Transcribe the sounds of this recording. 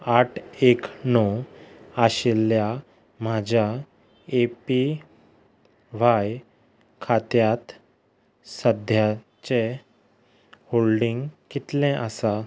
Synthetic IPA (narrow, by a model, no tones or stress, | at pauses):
aʈʰeknɔ | aɕelja | mad͡ʑʱa | epi | ʋ̤aj | kʰat̪jat̪ | səd̪ʱja | t͡ɕe | holɖiŋɡkit̪lɛ̃ʔasa